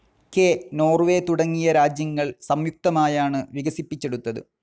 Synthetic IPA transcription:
keno̞ːrʋe̞ːt̪uɽɐŋːijɐɾaːd͡ʑjɐŋːɐɭsɐmjuk̚t̪ɐmaːjaːɳɨʋiɣɐsipːit͡ɕːe̞ɽut̪ːɐðɨ̰

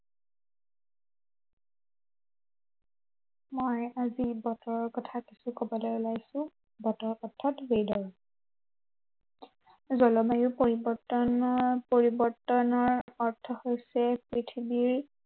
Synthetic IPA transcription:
mojazibɔtɔɹɔɹkɔtʰakisukobɔlɛʊlajsʊ̃ | bɔtɔɹɔtʰːɔtbejdɔɹ | zɔlɔmajʊpoɹibɔtɔnpoɹibɔɹtɔnɔɹɔɹtʰɔhojsɛpɹitʰibiɹ

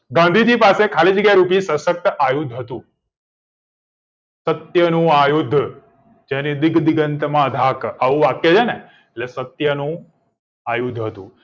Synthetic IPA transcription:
ɡãnd̪ʱid͡ʒipasekʰalid͡ʒɡeɾupisəsək̚t̪əʔajud̪ʱɦət̪ũ | sət̪jənũajud̪ʱː | d͡ʒenid̪ɪɡd̪ɪɡənt̪mãəd̪ʱakaʋũʋakjed͡ʒʰene | etlesət̪jənũ | ajud̪ʱɦət̪ṵ̃

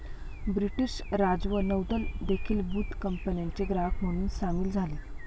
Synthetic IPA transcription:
bɾiʈiɕɾad͡zʋənəwd̪əld̪ekʰiːlbuːt̪kəmpənjaɲt͡ɕeɡɾafm̤əɽ̃uːnsamiːld͡zʱale

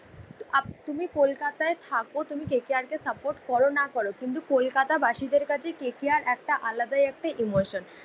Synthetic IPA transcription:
t̪umikolkat̪aet̪ʰakot̪umikekiaɾkesapoɾʈkɔɾonakɔɾokint̪̬ukolkat̪abaʃid̪eɾkat͡ɕʰekekiaɾɛk̚ʈaʔalad̪ajɛk̚ʈaʔimoʃon

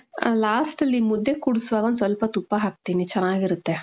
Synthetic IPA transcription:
laːsʈlimud̪ʱːekuɽusʋaɡɐnt͡sɔlpɐt̪upaɦak̚t̪init͡ʃɐñaɡiɾut̪ːe

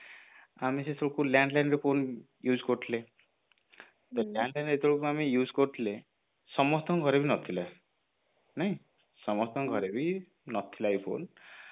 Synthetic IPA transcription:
amisesoɭkuljaɳɖlajnɾepʰon | jud͡ʒkɔɾt̪ʰile | t̪ɔljaɳɖlajnet̪oɽukuamijud͡ʒkɔɾt̪ʰile | sɔmɔt̪ʰɔŋɡʱɔɾebinɔt̪ʰila | naj̃ | sɔmɔɾt̪ʰɔŋɡʱɔɾebi | nɔt̪ʰilajpʰo̰n

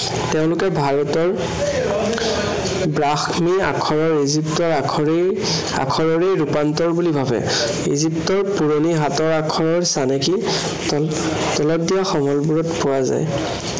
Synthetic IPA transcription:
teʊ̃lʊkɛbʱaɹɔtɔɹ | bɹaxmia̰kʰɔɹɔɹiziptɔɹakʰɔɹe | a̰kʰɔɹɔɹejɹupantɔɹbulibʱabɛ̰ | ḭziptɔɹpuɹoniɦatɔɹakʰɔɹɔɹsanɛki | tɔlɔt̚dijaxɔmɔlbuɹɔtpʊwaza̰j

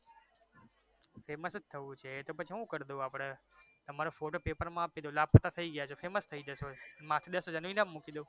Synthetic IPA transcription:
feməst̪ʰəʋũt͡ʃʰet̪opət͡ʃʰiɦũkəɾd̪oaːpɽ̃et̪əmaɾofoʈopepəɾmãːped̪olaːpət̪at̪ʰəiɡəjat͡ʃʰofeməst̪ʰəid͡ʒəsomãːt̪ʰid̪əsod͡ʒənʋinamːukid̪oː

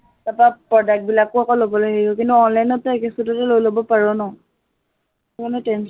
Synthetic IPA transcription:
bapapɹɔdak̚bilakʊakɔlobɔlojɦeiɔkintuɔnlajnɔtːɛɛkesutɔtɛlojlobɔpaɹɔnɔ | kɔnɔtɛns

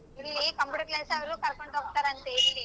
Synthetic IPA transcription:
iɭːikɐmpjuːʈɐɾkleːsɐʋɐlukɐɾɐkoɳʈoːk̚t̪aːɾɐnt̪eːɾili

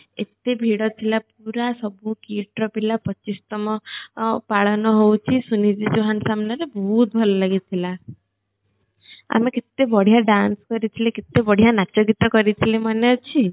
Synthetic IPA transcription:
ḛt̪ebʱiɽɔt̪ʰilap̚uɾasɔbukiʈɾɔpilapɔt͡ʃːist̪ɔmɔpaɭɔnɔɦowt͡ʃʰisunid͡ʒid͡ʒoɦansamnaɾebɔɦut̪̚bʱɔlɔlaɡit̪ʰila | a̰meket̪ebɔɽ̤ijaɖanskɔɾit̪ʰileket̪ːebɔɽ̤ijanat͡ʃɔɡit̪akɔɾit̪ʰilemanet͡ʃʰi

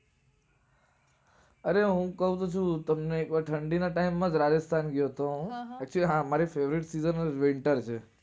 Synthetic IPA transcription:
əɾeɦũkəɦũt̪ũt͡ʃʰũt̪əmneːkʋaʈʰəɳɖinaʈaimːãd͡ʒɾad͡ʒəst̪ʰanɡjot̪õɛk̚t͡ʃuliɦãmaɾifeʋɾiʈsizənʋɪɳʈəɾt͡ʃʰe

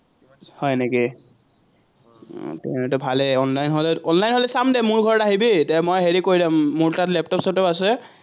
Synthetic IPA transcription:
hɔjneki | tɛ̃ɛtʊbʱalɛɔnlajnɦolɛɔnlajnɦolɛsamdɛmʊɹɡʱɔɹɔtaɦibitɛmojɦeɹikoɹidamːuɹtatlɛp̚tɔpsɔtɔasɛ

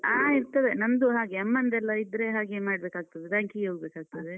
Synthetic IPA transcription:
aːiɾt̪ɐd̪e̞nɐnd̪uɦaːɡeɐmːɐnd̪ɛlːɐid̪ɾe̞ɦaːɡe̞maːɽbeːkaːɡ̚t̪ɐd̪ed̪aːŋkiɡoːɡbeːkaːɡ̚t̪ɐd̪e̞

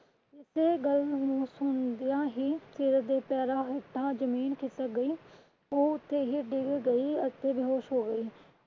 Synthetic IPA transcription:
ɪseːɡəlnũːsʊnd̪ɪjãːɦiːsɪɾd̪eːpɛːɾaːɦɪʈʰːãːd͡ʒəmiːnkʰɪt̪əɡəiː | oːʊt̪ʰːeːɦiːɖɪɡɡəiːət̪eːbɪɦoːʃɦoːɡəiː

